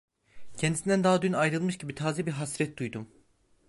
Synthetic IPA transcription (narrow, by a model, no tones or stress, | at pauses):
cʰɛnd̪isind̪ænd̪aɦad̪ynajɾɯlˠmɯʃɟibit̪ʰaːzɛbiɾɦasɾɛt̪̚d̪ujd̪um